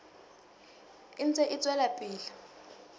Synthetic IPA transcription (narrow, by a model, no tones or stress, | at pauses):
int͡sʼɛʔit͡sʼwɛlapʼiːlḁ